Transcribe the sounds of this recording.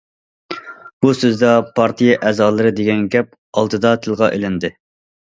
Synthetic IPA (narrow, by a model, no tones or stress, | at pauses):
b̥usɪzd̪ɑpʰɑɾt̪ʰijɑʔɛːzɑːlˠɨɾɨd̪eɡʲɛnɡʲɛp̚ | ɑlˠt̪ʰɨd̪ɑt̪ʰɪlˠʁɑʔelɪnd̪ɪ